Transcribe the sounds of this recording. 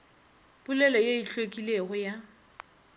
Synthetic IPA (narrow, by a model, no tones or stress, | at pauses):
bʊlɛlɔjeiɬwekʼileɣʊja